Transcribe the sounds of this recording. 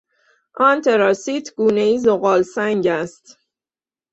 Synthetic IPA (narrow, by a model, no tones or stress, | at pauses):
ʔɒːnt̪ʰe̞ɾɒsit̪ʰɡ̥uːne̞iːzoɣɒːlsæŋɟæst̪